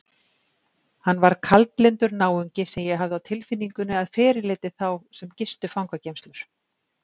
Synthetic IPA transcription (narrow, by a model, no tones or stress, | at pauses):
hanːvaɾ̥kʰalt̪lɪnt̪ʏɾnaːwʏɲcɪsɛmjɛɦavðʏawt̪ʰɪlfɪnːiŋkʏnːɪaðfɛːɾɪlɪːt̪ɪθawsɛmcɪst̪ʏfawŋkvacejmst̪lʏɾ̥